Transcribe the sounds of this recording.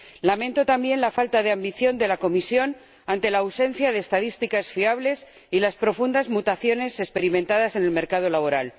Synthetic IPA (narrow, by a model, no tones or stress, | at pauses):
lamẽ̞nt̪o̞t̪ambje̞nlafalt̪aðe̞ambiθjo̞nd̪e̞lako̞misjo̞n | ant̪e̞laːwse̞nθjaðe̞ːst̪aðist̪ikasfiaβle̞s | ilaspɾo̞fund̪azmut̪aθjo̞ne̞se̞kspe̞ɾimẽnt̪aðase̞ne̞lme̞ɾkað̞o̞laβ̞o̞ɾal